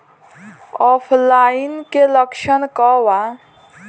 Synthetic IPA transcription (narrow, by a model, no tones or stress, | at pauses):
ɔːpʰlaːinkeləkʃənkɔwa